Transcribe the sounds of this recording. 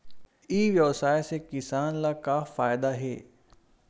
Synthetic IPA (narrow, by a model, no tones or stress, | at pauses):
iʋjɐʋsaːjsekɪsaːnlakafaːjd̪aɦeː